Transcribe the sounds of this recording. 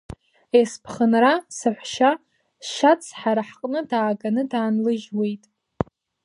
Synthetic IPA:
espʰχənrasɨħʷʃa | ʃat͡sʰħaɾaħqʼnɨdaːɡanɨdaːnlɨʒwe̞jtʼ

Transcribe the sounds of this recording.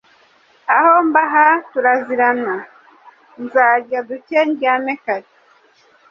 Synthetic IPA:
ahombaɦatuɾaziɾana | nzaːɾɟaduceɲɡanekaɾe

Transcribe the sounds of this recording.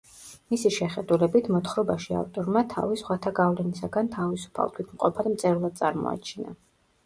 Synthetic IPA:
misiʃɛχɛd̪ulɛbit̪ʰmɔt̪ʰχɾɔbaʃia̰ft̪ʼɔɾmat̪ʰa̰visχwat̪ʰaɡavlɛnisaɡant̪ʰavisu̥pʰa̰lˠt̪ʰwit̪ʰmqʼɔpʰad̪mt̪sʼɛɾlˠad̪̚sʼaɾmɔ̰a̰t͡ʃʰina̰

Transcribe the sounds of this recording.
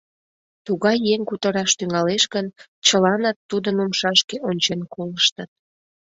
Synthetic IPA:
t̪uɣɑjːeŋkut̪əɾɑʃt̪yŋɑleʃɣən | t͡ɕəlɑnɑt̪ːud̪ənumʃɑʃkeʔonʲt͡ɕenkoləʃt̪ət̪̚

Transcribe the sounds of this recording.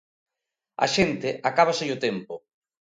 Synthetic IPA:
a̰ʃent̪eʔakaβ̞asejʊt̪empʊ

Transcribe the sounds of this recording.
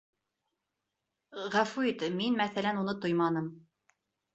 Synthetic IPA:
ʁæfuit̪minmæθælænunɤt̪ojmɑnɤm

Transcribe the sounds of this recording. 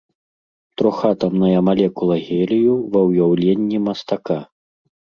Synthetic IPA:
t̪ɾɔxat̪ɐmnɐjɐmalʲɛkulˠɐɣʲɛlʲijuvɐwjawlʲenʲːimɐst̪aka

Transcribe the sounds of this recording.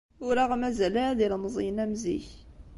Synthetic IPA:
ʊɾaʁmæzælæɾðilmzˤijnæmzḭç

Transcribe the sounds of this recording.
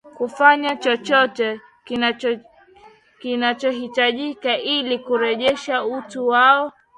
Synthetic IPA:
kufaɲat͡ʃɔt͡ʃɔtɛ | kinat͡ʃɔɦitaʄikaʔilikuɾɛʄɛʃautuwaɔ

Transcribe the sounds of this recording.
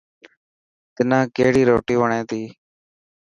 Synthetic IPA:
t̪ɪnãːkeɦɽiːɾoːʈiːʋəɳẽːt̪iː

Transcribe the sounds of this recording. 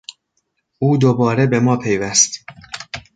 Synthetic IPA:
ʔuːd̪obɒːɾebe̞mɒːpʰe̞jvæst̪

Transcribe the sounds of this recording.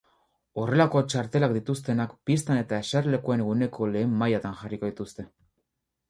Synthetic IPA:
o̞re̞lako̞t͡ʃaɾt̪e̞lakd̪it̪ust̪e̞nakpist̪ane̞t̪ae̞saɾle̞kuene̞ɣune̞kʰo̞le̞ːmːajat̪anxʝariko̞ðit̪ust̪e̞

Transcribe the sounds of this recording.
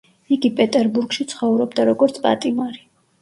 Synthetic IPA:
iɡipʼɛt̪ʼɛɾbuɾɡʃit̪sʰχɔvɾɔbd̪aɾɔɡɔɾt̪sʰpʼa̰t̪ʼimaɾi

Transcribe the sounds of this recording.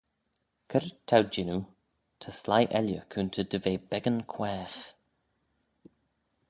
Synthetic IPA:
kʰəɾt̪ʰːawd͡ʒɪnu | t̪ʰəslajʔɛljəkʰuːnt̪ʰəd̪əveːbɛɡənkʰwɛːx

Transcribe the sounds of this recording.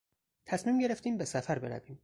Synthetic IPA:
t̪ʰæsmiːmɟe̞ɾeft̪iːmbesæfæɾbe̞̰ɾæ̰viːm

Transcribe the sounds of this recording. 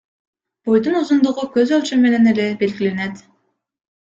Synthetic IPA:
b̥ojd̪unuzund̪uʁukøzølʲt͡ʃyme̞ne̞ne̞le̞be̞lɡile̞ne̞t̪

